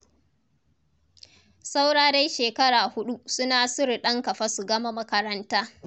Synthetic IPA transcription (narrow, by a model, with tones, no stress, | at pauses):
sa˦wɽaː˦da˦jʃeː˨kɐ˦ɽaː˨hʊ˦ɗu˦sʊ˦naː˨sʊ˦ɾi˨ɗɐ˦ŋkɐ˨ɸa˦su˨ɡɐ˦ma˦mɐ˦kɐ˦ɾɐ˦ntaː˦